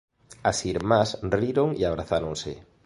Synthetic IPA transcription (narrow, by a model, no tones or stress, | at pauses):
asiɾmasriɾoŋiaβ̞ɾaθaɾoŋsɪ̰